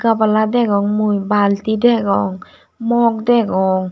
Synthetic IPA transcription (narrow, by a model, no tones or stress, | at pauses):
kapaladɛkɔŋmujbaːlt̪idɛkɔŋ | mɔk̚dɛkɔŋ